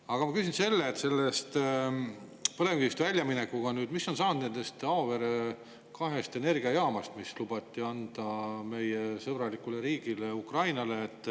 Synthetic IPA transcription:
ɑɡ̥ɑmɑkysʲinse̞lːeːt̪se̞lːest̪ | pɤle̞mɡiist̪vælʲjɑminekːuɡ̥ɑnyːd̪misːo̞nsɑːnd̪ne̞nd̪̥e̞st̪ɑove̞ɾe | kɑɦe̞st̪e̞ne̞rɡ̥iɑjɑːmɑst̪mislubɑt̪ˑːiɑnd̪̥ɑme̞jesɤb̥rɑlikːuleɾiːɡ̥ileukrɑjnɑleːt̪ːˑ

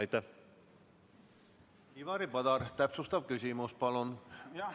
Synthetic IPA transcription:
ɑjt̪ːæh | hivɑɾipɑd̪̥ɑɾt̪æpsust̪ɑvkysʲimuspɑlun

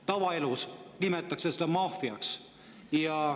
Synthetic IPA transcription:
t̪ɑʋɑelusnimet̪ːˑɑkseset̪ɑmɑːfiɑ̰ks | jɑ

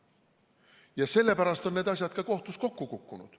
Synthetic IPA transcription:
jɑse̞lːe̞pæɾɑst̪o̞nne̞ːd̪ɑsʲjɑd̪̥kɑko̞ht̪usko̞kːukukːunṵd̪̥

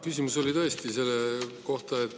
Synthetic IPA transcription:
kysʲimuso̞lit̪ɤest̪ise̞lːeko̞ht̪ɑet̪ːˑ

